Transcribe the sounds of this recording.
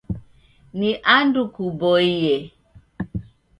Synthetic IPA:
niʔandukubɔije

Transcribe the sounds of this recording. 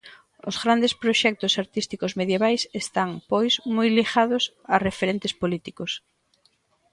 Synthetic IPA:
o̰zɣɾand̪espɾoʃɛk̚t̪ʊsaɾt̪ist̪ikozmeðjeβajsest̪aŋpojsmojliɣaðʊs | arefeɾent̪ɪspolit̪ikos

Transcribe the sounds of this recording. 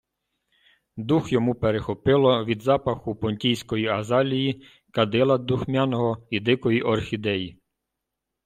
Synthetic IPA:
d̪uxjɔmupeɾexɔpɪlˠɔʋʲid̪zɑpɐxʊpɔnʲtʲijsʲkɔjiɐzɑlʲiji | kɐd̪ɪlˠɐd̪uxmʲɑnɔɦɔid̪ɪkɔjiʔɔrxʲid̪ɛji

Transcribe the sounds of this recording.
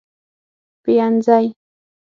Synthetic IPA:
pɪjant͡saj

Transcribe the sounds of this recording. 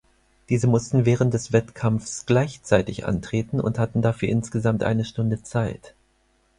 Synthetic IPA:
d̥iːzəmʊstn̩vɛːʁ̞ənt̚d̥ɛsv̥ɛtkʰamfsɡ̥laɪçt͡saɪtɪçʔa̰ntʁ̥eːtn̩ʊ̰nthatn̩dafyːɐʔɪnsɡ̥əzamtʔa̰ɪnəʃtʊndət͡saɪt

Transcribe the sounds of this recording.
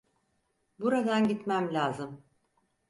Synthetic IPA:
buɾad̪anɟit̪mæmlʲaːzɯm

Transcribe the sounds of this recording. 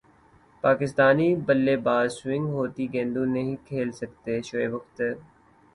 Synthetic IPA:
paːkɪst̪aːnibəlːebaːd̪swɪ̃ŋɡɦoːt̪iɡẽːnd̪ũnɐɦĩkʰeːlsəkt̪eʃoeːʋʊxt̪e

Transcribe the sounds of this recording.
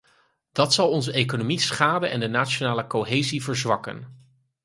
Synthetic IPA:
d̥ɑtsɑlˠɔnzəejkonomisχaːdəɛ̰ndənaːt͡ʃonaːləkowɦeːjzivəɹzʋɑkə̰n

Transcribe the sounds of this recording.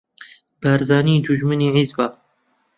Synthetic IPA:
b̥æɾzaːnid̪uʒmɨniːʕizba

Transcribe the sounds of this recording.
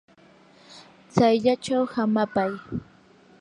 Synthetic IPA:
t͡sajʎat͡ʃawhamapaj

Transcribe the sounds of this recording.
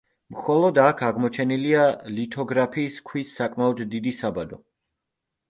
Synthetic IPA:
mχɔlˠɔd̪akʰaʁmɔt͡ʃʰɛnilialit̪ʰɔɡɾapʰiːskʰwisːakʼmaɔd̪ːid̪isabad̪ɔ

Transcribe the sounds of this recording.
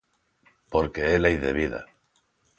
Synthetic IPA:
po̞ɾke̞elejðe̞βiða̰

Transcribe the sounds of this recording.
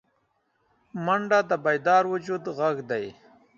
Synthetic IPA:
maɳɖad̪əbajd̪ɑːɾwʊd͡ʒud̪ɣaɡd̪aj

